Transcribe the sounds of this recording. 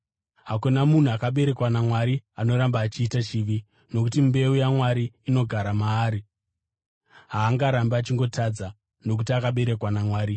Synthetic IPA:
ɦakunamun̤uakaɓe̞ɾe̞kwanamwaɾiano̞ɾambaːt͡ʃiːtat͡ʃiʋi | no̞kutimbe̞ujamwaɾiːno̞ɡʱaɾamaːɾi | ɦaːŋɡaɾambaat͡ʃiŋɡo̞tad͡za | no̞k̬utiakaɓe̞ɾe̞kwanamwaːɾi

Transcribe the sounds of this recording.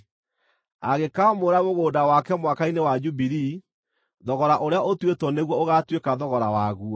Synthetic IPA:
aɣekamoɾaɣoɣoːdawakɛmwakainewad͡ʒubiɾi | ðɔɣɔɾaʔoɾeaʔotwetɔneɣwɔoɣatwekaðɔɣɔɾawaɣu

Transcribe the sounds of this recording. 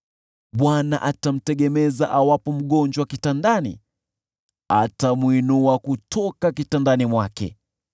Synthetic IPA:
ɓwanaʔatam̩tɛɠɛmɛzaʔawapɔm̩ɠɔnd͡ʒwakitandanḭ | a̰tamwinuakutʰɔkakitandanimwakɛ̰

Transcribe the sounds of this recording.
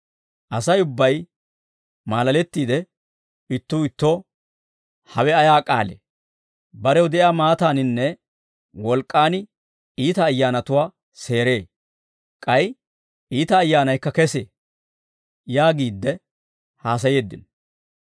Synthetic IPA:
ʔɐsɐjʊbːɐj | maːlɐlɛt̪ːiːd̪ɛ | ɪt̪ːuːɪt̪ːoː | hɐwɛɐjaːkʼa̰ːlḛː | bɐɾɛwd̪ɛjaːmaːt̪aːnɪnːɛ | wɔlkʼːaːnɪ | iːt̪ɐːjːaːnɐt̪ʊwaː | se̞ːɾe̞ː | kʼɐj | ʔiːt̪ɐːjːaːnɐjkːɐkɛseː | jaːɡiːd̪ːɛ | haːs̬ɐje̞ːd̪ːɪ̰n

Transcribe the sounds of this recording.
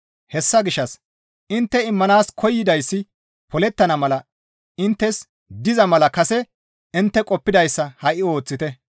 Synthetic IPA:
hɛsːɐɡɪʃːɐs | ʔɪnt̪ːɛɪmːɐnaːskʰɔjːɪd̪ɐjsːɪ | pɔlɛt̪ːɐnɐmɐlɐ | ɪnt̪ːɛs | d̪ɪzɐmɐlɐkɐsɛ | ɪnt̪ːɛkʼɔpːɪd̪ɐjsːɐhɐʔɪo̞ːt͡sːɪt̪ɛ

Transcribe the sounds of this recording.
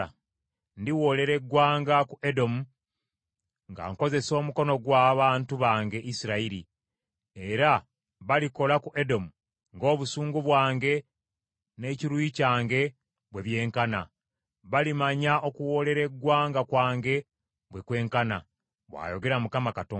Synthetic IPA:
a | ndiwo̞le̞ɾe̞ɡwaːŋɡakuʔe̞do̞mu | ŋɡa̰ŋko̞ze̞so̞ːmuko̞no̞ɡwaːβaːntuβaːŋɡe̞ʔisiɾaiɾi | e̞ɾa | βaliko̞lakuʔe̞do̞mu | ŋɡo̞ːβusuːŋɡuβwaːŋɡe̞ | ne̞ciɾwuicaːŋɡe̞ | βwe̞βje̞ːŋkana̰ | βalimaɲaʔo̞kuwo̞le̞ɾe̞ɡwaːŋɡakwaːŋɡe̞ | βwe̞kwe̞ːŋkana̰ | βwa̰ːjo̞ɡe̞ɾamukamakato

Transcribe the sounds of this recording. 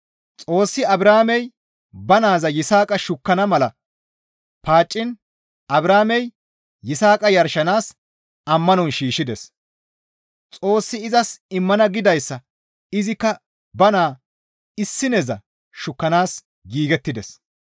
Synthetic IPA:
t͡sʼo̞ːsːɪɐbɾaːmɛj | bɐnaːzɐjɪsaːkʼɐʃʊkːɐnɐmɐlɐ | paːt͡ʃʼːɪn | ɐbɾaːmɛj | jɪsaːkʼɐjɐɾʃɐnaːs | ɐmːɐnɔnʃiːʃɪd̪ɛs | t͡sʼo̞ːsːɪɪzɐsɪmːɐnɐɡɪd̪ɐjsːɐ | ɪzɪkːɐ | bɐnaː | ɪsːɪnɛzɐ̰ | ʃʊkːɐnaːs | ɡiːɡɛt̪ːɪd̪ɛs

